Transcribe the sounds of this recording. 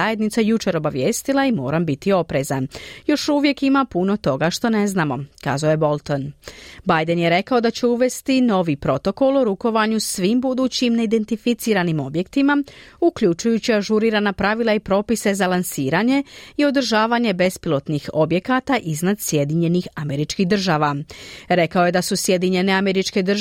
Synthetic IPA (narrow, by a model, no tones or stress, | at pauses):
aje̞d̪nit̪sajut͡ʃe̞ɾo̞baʋje̞ːst̪ilˠaimo̞̰ːɾambit̪io̞pɾe̞zanjo̞ʃuʋje̞kimapuno̞t̪o̞ɡaʃt̪o̞ne̞znaːmo̞ka̰ːzaojebo̞lˠt̪o̞nbajd̪enjeɾe̞kao̞d̪at͡ɕeuʋe̞st̪ino̞ʋipɾo̞t̪o̞ko̞lˠoɾuko̞ʋaɲusʋiːmbud̪uːt͡ɕimne̞id̪e̞nt̪ifit̪siːɾanimo̞bje̞kt̪imaukʎut͡ʃujut͡ɕiaʒuɾiːɾaːnapɾaʋilˠaipɾo̞ːpise̞zalansiːɾaɲe̞io̞d̪rʒaːʋaɲe̞be̞spilˠo̞t̪nixo̞bje̞kat̪aʔiznad̪sje̞d̪iɲe̞nixame̞ɾit͡ʃkiɦd̪ɨr̩ʒaːʋaɾe̞kao̞je̞d̪asusje̞d̪iɲe̞ne̞ame̞ɾit͡ʃke̞d̪r